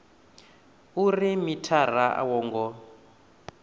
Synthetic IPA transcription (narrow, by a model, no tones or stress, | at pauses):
urimitʰaraʔa̰wɔːŋɡɔ